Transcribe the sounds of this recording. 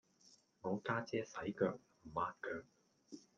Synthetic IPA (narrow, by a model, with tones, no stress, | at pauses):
ŋɔː˨˧kaː˥t͡sɛː˥sɐ˨˥jkœː˧k̚m̩˨˩maː˧t̚kœː˧k̚